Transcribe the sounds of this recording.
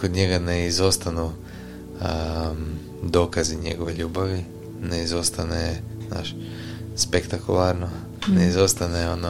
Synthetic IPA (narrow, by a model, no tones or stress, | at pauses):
kod̪ɲe̞ɡaneizo̞st̪anu | d̪o̞ːkaziɲe̞ɡo̞ʋeʎuːbaʋi | neizo̞st̪anezna̰ʃ | spekt̪akulˠaɾno | neizo̞st̪aneono